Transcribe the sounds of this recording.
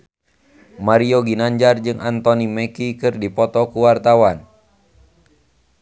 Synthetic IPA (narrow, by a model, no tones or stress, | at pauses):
maɾioɡinaɲd͡ʒard͡ʒɨŋʔant̪ɔnimɛkikɨrdipɔt̪ɔkuwart̪awan